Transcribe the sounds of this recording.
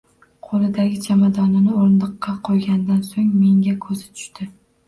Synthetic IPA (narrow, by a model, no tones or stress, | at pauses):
qʰolˠɪd̪aɡʲɪd͡ʒʰamad̪ɒnɪnɪoɾnlɨqʰːɑqʰojɡʲand̪ansoŋme̞ŋɡʲakʰɵzɪt̪ʰʊ̥ʃt̪ɪ